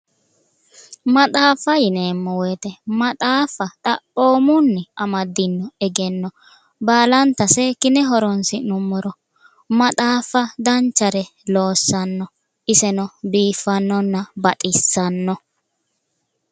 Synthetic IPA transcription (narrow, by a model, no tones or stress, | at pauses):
mɐt̪ʼaːfɐjɪneːmːɔwɔːt̪ɛmɐt̪ʼaːfɐt̪ʼɐpːo̞ːmʊnːɪʔɐmɐd̪ːɪnːɔɛɡɛnːɔ | baːlɐnt̪ɐsɛkɪnɛɦɔɾɔnsɪnʊmːɔɾɔ | mɐt̪ʼaːfɐd̪ɐnt͡ʃːɐɾɛlo̞ːsːɐnːɔ | ʔɪsɛnɔbiːfːɐnːɔnːɐbɐt̪ʼɪsːɐnːɔ